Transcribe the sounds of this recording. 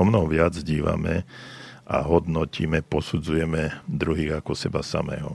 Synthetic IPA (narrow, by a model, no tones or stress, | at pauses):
ɔmnɔɦɔʋɪad͡zɟiːʋa̰mɛ | ʔaɦɔd̪nɔciːmɛpɔsud͡zujɛmɛd̪ɾuɦiːɣakɔsɛbasa̰mɛ̰ːɦɔ̰